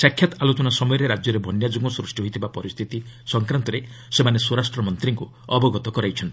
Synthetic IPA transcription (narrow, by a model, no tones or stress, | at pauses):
sakʰjat̪alot͡ʃɔnasɔmɔjɔɾeɾad͡ʒjɔɾebʱɔnjad͡ʒuɡɔsɾusʈiɦojt̪ʰibapɔɾist̪ʰit̪isɔŋkɾant̪ɔɾe | semanesuɾasʈɾɔmɔnt̪ɾiŋku | ɔbɔɡɔt̪ɔkɔɾajt͡ʃʰɔnt̪i